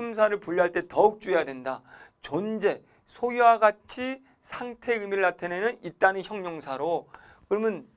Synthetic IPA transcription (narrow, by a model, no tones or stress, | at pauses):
ɯmsʰaɾɯɭpuʎːiɦaɭt͈e̞tʌuk̚t͡ɕ͈uejadwe̞ndat͡ɕʌnd͡ʑe̞ | sʰojuwaɡat͡ɕʰi | sʰaŋtʰe̞ɯmiɾɯɭatʰenenɯnit̚t͈anɯnçjʌŋɲoŋsʰaɾo | kɯɾʌmjʌn